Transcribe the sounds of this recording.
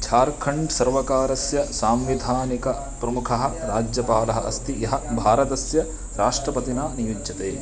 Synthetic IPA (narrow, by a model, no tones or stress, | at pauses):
t͡ʃʰaːɾkʰɐɳɖsɐɾʋɐkaːɾɐsjɐsaːmʋid̪ʱaːnikɐ | pɾɐmukʰɐɦɐ̆ɾaːd͡ʒjɐpaːlɐɦɐ̰ʔɐ̰st̪ijɐɦɐ̆bʱaːɾɐt̪ɐsjɐ | ɾaːʂʈɾɐpɐt̪inaːnijud͡ʒjɐt̪eː